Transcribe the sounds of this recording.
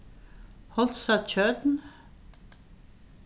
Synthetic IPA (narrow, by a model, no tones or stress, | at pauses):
hɔlt̪sɑt͡ʃʰœːd̪n̩